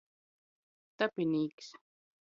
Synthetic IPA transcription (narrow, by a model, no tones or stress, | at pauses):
t̪apiniːks